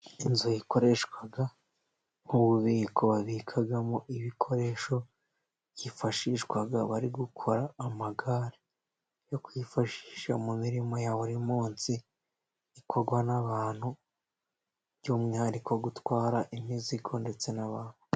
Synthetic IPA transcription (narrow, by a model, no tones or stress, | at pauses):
inzojiko̞ɾe̞ʃwaɡa | ŋ̥uβuβiːko̞βaβikʰaɡamoʔiβikʰo̞ɾe̞ʃo̞ | jifaʃiːʃwaɡaβaɾiɡukʰo̞ɾaːmaɡaːɾe | jo̞kwifaʃi̥ːʃamumiɾimo̞jaːwoɾimuːnsiː | kʰo̞ɾɡwanaβaːn̥hu | βɟumɲaːndikʰoɡutwaːɾaʔimizikʰo̞nde̞t͡se̞naβaːn̥hu̥